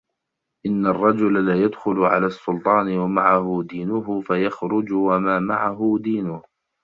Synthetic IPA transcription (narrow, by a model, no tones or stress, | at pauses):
ʔɪnːarˤːɑd͡ʒʊlalaːjad̪xʊlʊʕa̰laːsːʊlt̪ˤɑːnɪwamaʕahʊd̪iːnʊɦʊfajaxɾʊd͡ʒʊwamaːmaʕaɦʊd̪iːnʊh